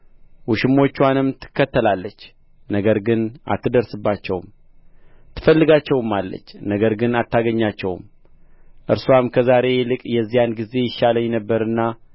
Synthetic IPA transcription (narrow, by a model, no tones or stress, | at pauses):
wuʃɪmo̞t͡ʃːwanɨmt̪ʰɨ̥kːət̪ʰːəlalːət͡ʃː | nəɡəɾɡɨna̰t̪ʰːɨd̪əɾsɨbːat͡ʃːɛwm | t̪ʰɨ̥fəlːɨɡat͡ʃːɛwɨmalːə̰t͡ʃːnəɡəɾɡɨnat̪ːaɡəɲːat͡ʃːɛw̰m | ʔɨɾswamkʰəzaɾe̞lɨkʼjɛzːijanɡize̞jɪʃaləjɪnəbːəɾɨnːa